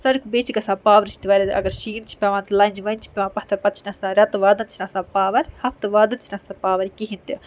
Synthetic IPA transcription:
sɐɾkʰubeːt͡ʃʰiɡɐsaːpaːʋɐɾit͡ʃʰit̪iʋɐːɾʲɐt̪ʔɐ̰ɡɐɾʃiːnt͡ʃʰi̥pʲɐʋãːnt̪ɨlɐːnʲd͡ʒʋɐjnt͡ʃʰi̥pʲɐʋãːpɐht̪ʰɐɾpɐt̪t͡ʃʰinɐsaːɾʲɐt̪ʋaːd̪ɐnt͡ʃʰnɐsaːpaːʋɐɾʲhɐft̪ɨʋaːd̪ɨnt͡ʃʰinɐsaːpaːʋɐɾkiɦint̪i

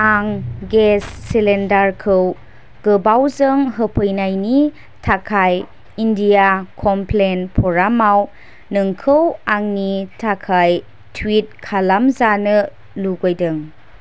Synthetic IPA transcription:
aŋɡesːilendaɾkʰɯw | ɡ̥ɯbawzɯŋɦəpʰɯjnajni | tʰakʰaj | indiakʰɔmplenpʰɔɾamaw | nɯŋkʰɯwaŋnitʰakʰaj | tʰwit̚kʰalamzanɯ | luɡojdɯŋ

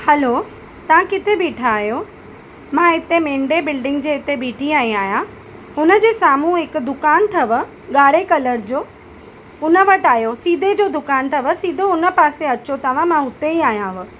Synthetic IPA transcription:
hɐlo | t̪ɐʋ̤ãkɪt̪ʰebiːʈʰaːɦijo | mãɪt̪emẽːɳɖebɪlɖɪ̃ŋɡd͡ʑeːɪt̪ebiːʈʰiaːĩaːɦijã | ɦʊnə̆d͡ʑeːsaːmũɦɪkd̪ʊkaːnt̪ʰɐʋə | ɠaːɽekɐləɾd͡ʑoː | ʊnə̆ʋɐʈaːɦjosiːd̪ʱed͡ʑoːd̪ʊkaːnt̪ʰɐʋə̆siːd̪ʱoʊnə̆paːseɐt͡ɕot̪ɐʋ̤ãmãɦʊt̪eiaːɦijãɦʊ

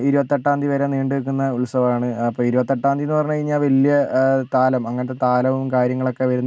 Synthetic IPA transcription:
iɾubɐt̪ːeʈːaːnd̪ʱiʋɐɾɐniːɳɖɨekːunːɐuɭsɐʋɐmaːɳɨɐpːoːiɾubɐt̪ːeʈːaːnd̪ienːɨpɐrɐɲːukɐɻiɲːaːlʋɐljɐt̪aːlɐmɐŋːɐnɐt̪ːet̪aːlɐʋumkaːɾjɐŋːɐɭo̞kːeʋɐɾunːɐ

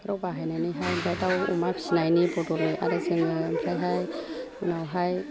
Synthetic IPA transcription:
pɾɔbaɦajnajniɦajmsʰajtawṵmaksinajnipɔtɔɾɯa̰ɾɯsɯŋɯmsajɦaj | ɯnawɦaj

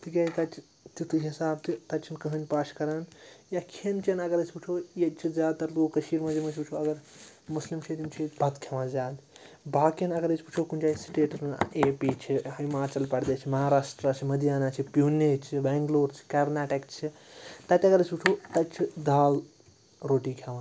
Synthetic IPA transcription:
t̪ikʲek̪ɐt͡ʃʰ | t̪it̪ɨɦisaːbt̪ʰit̪ɐt͡ʃʰinkɐɦɐnʲpaːʃkɐɾanjakʰent͡ʃɐnɐɡɐɾɐt͡ʃʰʲput͡ʃʰoːjet͡ʃʰizaːd̪̚t̪ɐɾloːkɐʃiːɾmɐd͡ʒɐmɐt͡ʃʰput͡ʃʰoɐɡɐɾ | muslimt͡ʃʰit̪imt͡ʃʰiet͡ʃbʱɐt̪kʰemazʲaːd̪ | baːkinɐɡɐɾət͡ʃʰput͡ʃʰokunt͡ʃaːsʈeːʈɐsmeːpit͡ʃʰihimaːt͡ʃɐlpɐɽd̪et͡ʃʰimɐɦaːɾaːsʈɾat͡ʃʰimɐd̪ijaːnat͡ʃʰipjuːnet͡ʃʰibeŋɡloːɾt͡ʃʰi̥kɐɾnaʈikt͡ʃʰit̪ɐt̪ʲɐɡɐɾət͡ʃʰpuʈʰot̪ɐt͡ʃʰid̪aːl | ɾoːʈikʰjaʋãn

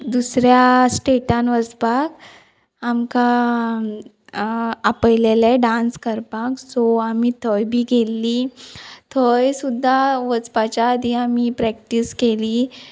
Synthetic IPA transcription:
d̪usɾjasʈeʈanʋət͡spak | amka | apəjleleɖãnskəɾpãksɔamit̪ʰəjbʱiːɡelːit̪ʰəjsud̪ʱːaʋət͡spat͡ɕjaːd̪ʱiamipɾɛk̚ʈiskeli

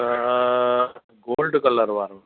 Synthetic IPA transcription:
ɡoːlɖɨkɐlːɐɾʋaːɾ

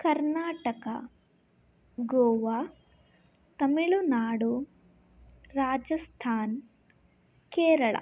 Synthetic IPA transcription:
kɐɾnaːʈɐkɐ | ɡɔːʋa | t̪ɐmiɭunaːɽu | ɾaːd͡ʒɐst̪ʰaːn | keːɾɐɭɐ̰

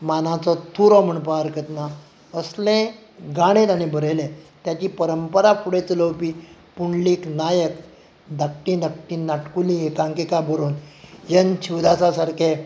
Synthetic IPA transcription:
manãt͡sɔt̪ʰuɾɔm̤əɳpaəɾkət̪na | əslẽ | ɡaɽ̃ẽt̪añibʱəɾelẽt̪jat͡ɕiːpəɾəmpəɾafʰuɽet͡sələwpiː | puɳliːknajək | d̪ʱək̚ʈĩd̪ək̚ʈĩnaʈkulĩekãŋkekabʱəɾuːnjənt͡ɕʰiwd̪asasaɾkʰe

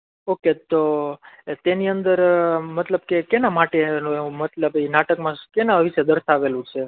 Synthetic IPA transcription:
oket̪o | t̪eniənd̪əɾmət̪ləb̚kekenamaʈenũeũmət̪ləbinaʈəkmãkenãəʋiʃed̪əɾsaʋelũt͡ʃʰe

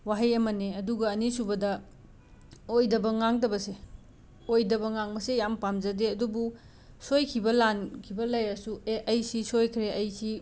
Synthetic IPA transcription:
waɦɐjɐmɐneɐduɡɐːnisubɐdɐ | ojdɐbɐŋaŋdɐbɐse | ojdɐbɐŋaŋmɐsejampamzɐdeɐdubu | sojkʰibɐlankʰibɐlɐjɐsueʔɐjsisojkʰɾeʔɐjsi

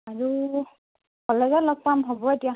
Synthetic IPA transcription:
aɹu | kɔlɛzɛlɔk̚pamɦɔbɔetia

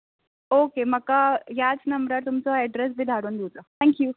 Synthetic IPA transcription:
okeməkaɦjat͡snəmbɾaɾt̪umt͡sɔɛɖɾes̬bʱid̪ʱaɾuːnd̪ut̪ɔt̪ʰɛ̃ŋkju

